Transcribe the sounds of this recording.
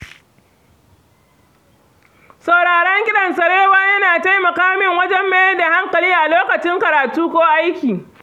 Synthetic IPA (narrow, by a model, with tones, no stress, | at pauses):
sɐ˨wɽaː˨ɽɛ˦ŋɡʲɪ˦ɗɐ˨nsɐ˨ɽeː˦waː˦jɐ˦naː˨ta˦jmɐ˨kaː˦mɪ˦ŋwɐ˦d͡ʒɛ˦mːa˦jɐ˦da˨ha˦ŋkɐ˨liː˦ʔa˨loː˦kɐ˨t͡ʃɪ˦ŋkɐ˨ɾaː˨tuː˦kʷoː˦ʔa˦jkʲiː˨